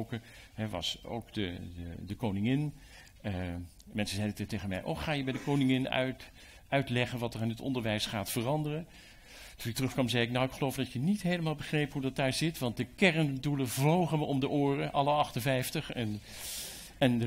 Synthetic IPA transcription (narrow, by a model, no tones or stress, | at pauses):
kə | ɦɛʋɑ̰so̰wkdəədəkownɪŋɪn | ə | mɛnsəzɛjdətejχənmɛ̰jʔɔ̰χaːjəbɛjdəkownɪŋɪnœ̰ɥt | œɥtlɛχənʋɑtərɪnətɔ̰ndəɹʋɛjsχaːtfərɑndərən | tunɪktərɵχkʋɑmzɛjɪknawɪkχəlowfdɑtjənitɦejləmaːlˠbəχrejpɦudɑt̚daːɹzɪtʋɑnt̚dəkɛrənduləvlowχəməʔɔmdəʔoːrəʔɑləɑχtənvɛjftəχɛn | ɛnə